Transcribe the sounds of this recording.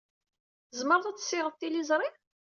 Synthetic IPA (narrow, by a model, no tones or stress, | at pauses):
əzməɾˤθæt͡s̪ːə̥sːɪʁəθt̪ːilizˤɾˤi